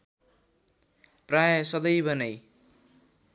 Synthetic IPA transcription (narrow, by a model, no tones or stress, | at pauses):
prajʌsʌd̪ʌjbʌnʌj